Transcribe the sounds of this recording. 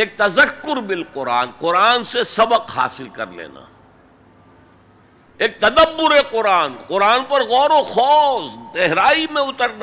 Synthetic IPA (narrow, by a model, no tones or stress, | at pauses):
eːk̚t̪ɐzəkːʊɾbɪlqʊɾaːnqʊɾaːnsesɐbəqha̰ːsɪlkɐ̰ɾlḛːna̰ː | eːk̚t̪ɐd̪əbːʊɾeqʊɾaːnqʊɾaːnpɐɾɣɔːɾoxɔːsd̪ɛɦɾaːimẽʊt̪əɾna